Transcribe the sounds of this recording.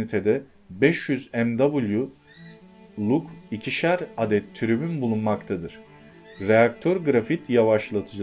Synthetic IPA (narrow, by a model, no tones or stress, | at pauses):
it̪ʰed̪ɛ | bɛʃjyzɛmd̪abulʲˠju | lˠukicʰiʃæɾad̪ɛt̪ʰːyɾybynbulˠunmakt̪ʰad̪ɯɾ̥ | ɾejak̚t̪ʰøɾɡɾafit̪ʰjavaʃlˠat̪ʰɯd͡ʒ